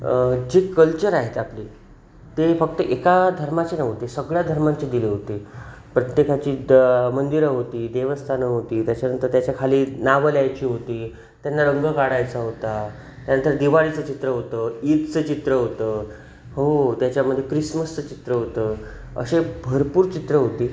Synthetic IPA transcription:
d͡ʑiːkəlt͡ɕəɾaɦet̪apliː | t̪efək̚t̪əʔekad̪ʱəɾmat͡ɕenaɦot̪esəɡɭjad̪ʱəɾmãɲt͡ɕed̪ileɦot̪e | pɾət̪jekat͡ɕiːmənd̪iɾəɦot̪iːd̪eʋəst̪ʰanəɦot̪iːt̪jat͡ɕanənt̪əɾt̪jat͡ɕjakʰaliːnaʋəljajt͡ɕiːɦot̪iː | t̪janːaɾəŋɡəɡaɽajt͡saɦot̪a | t̪janənt̪əɾd̪iʋaɽit͡sət͡ɕit̪ɾəɦot̪əːit̪t͡səːt͡ɕit̪ɾəɦot̪əː | hot̪jat͡ɕjaməd̪ʱːjekɾisməst͡sət͡ɕit̪ɾəɦot̪əː | ə̰ɕebʱəɾpuːɾt͡ɕit̪ɾəɦot̪iː

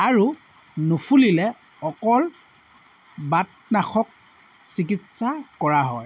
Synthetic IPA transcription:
aɹu | nupʰulilɛ | ɔkɔl | bat̚ | naxʰɔk̚ | sik̬itsakɔɹaɦɔj

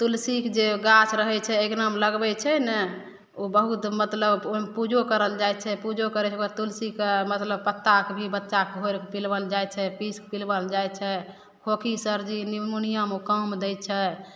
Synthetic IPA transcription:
t̪ulsikd͡ʒeɡat͡ʃʰɾəɦɛt͡ʃʰɛeknəmləɡbɛt͡ʃʰɛnɛ | obəɦut̪mət̪ləbomepud͡ʒokəɾəld͡ʒajt͡ʃʰɛpud͡ʒokəɾɛt͡ʃʰɛəɾt̪ulsikmət̪ləb̚pət̪ːakbʱibətːʃakɦojɾkpilbəld͡ʒajt͡ʃʰɛpiskpilbəld͡ʒajt͡ʃʰɛ | kʰokʰisəɾd͡ʒinimunijəmokəmd̪ɛjt̪̚t͡ʃʰɛ

